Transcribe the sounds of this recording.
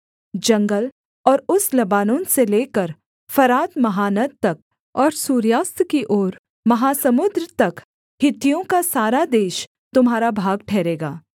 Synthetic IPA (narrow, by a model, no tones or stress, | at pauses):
d͡ʒɐ̃ŋɡəl | ɔːɾʊslɐbaːnõːnseleːkəɾ | fɐɾaːt̪mɐɦaːnət̪̚t̪ɐk̚ | ɔːɾsuːɾjaːst̪kiʔoːɾ | mɐɦaːsɐmʊd̪ɾt̪ɐk | hɪt̪ijõkasaːɾad̪eːʃ | t̪ʊmɦaːɾabʱaːɡʈʰɛːɾeːɡaː